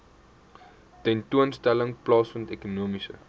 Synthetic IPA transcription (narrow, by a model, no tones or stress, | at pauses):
tɛntuənstæləŋplɑːsfəntɛkunuəmisə̰